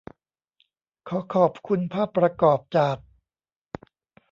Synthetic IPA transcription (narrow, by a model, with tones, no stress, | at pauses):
kʰɔː˩˦kʰɔː˨˩p̚kʰu˧npʰaː˥˩pːɾa˧kɔː˨˩p̚t͡ɕaː˨˩k̚